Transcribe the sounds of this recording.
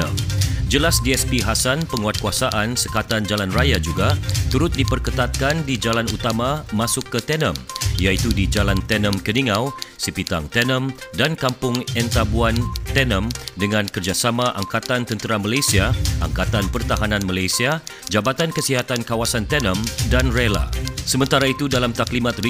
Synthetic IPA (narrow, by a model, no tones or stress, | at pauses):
d͡ʒəlasdiɛspiɦasanpəŋuat̪̚kuasaʔansəkat̪and͡ʒalanrajad͡ʒuɡat̪uɾʊt̪̚dipərkət̪at̪̚kandid͡ʒalanut̪amamasʊkːət̪ɛnəmjait̪udid͡ʒalant̪ɛnə̃mkəniŋawsəpit̪a̰ŋt̪ɛnə̃mdankampʊŋɛnt̪abuant̪ɛnəmdəŋãnkərd͡ʒasamaʔa̰ŋkat̪ant̪ənt̪əɾamalajsiaʔa̰ŋkat̪anpərt̪aɦananmalajsiad͡ʒabat̪ankəsiɦat̪ankawasant̪ɛnəmdanrela̰səmənt̪aɾait̪udalamt̪aklimat̪̚ri